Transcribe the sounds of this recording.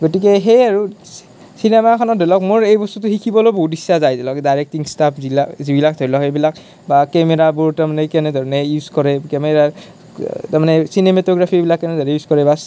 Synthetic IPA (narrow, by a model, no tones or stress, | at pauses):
ɡotik̬ɛɦejaɹu | sinemakʰɔnɔdʱelɔkmoɹejbɔstutʊxikʰibɔlojboɦut̚isːazajdɛlɔkdajɹek̚tiŋstapʰzilazibilak̚dʱebilɔkejbilak | bakɛmɛɹabuɹtaɹmanɛkɛnɛdʱɔɹɔnɛjuzkɔɹɛkɛmɛɹa | tamanɛsinemetɔɡɹapʰibilakːɛnɛdʱɔɹɛjuzkɔɹɛbas